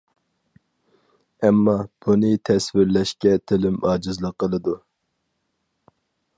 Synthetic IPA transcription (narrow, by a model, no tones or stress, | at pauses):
ɛmːɑb̥unɨt̪ʰɛsvɪɾlɛʃkʲɛt̪ʰɪlɪmɑːd͡ʒɨzlˠəqːəlˠɨd̪u